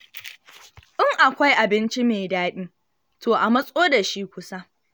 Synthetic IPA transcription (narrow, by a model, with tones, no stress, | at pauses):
ʔɪ˦ŋʔa˨kʷa˦jʔa˨bɪ˦nt͡ʃi˦meː˨daː˦ɗiː˦ | toː˨ʔa˨mɐ˦sʼoː˦da˨ʃi˦kʷʊ˦sa˦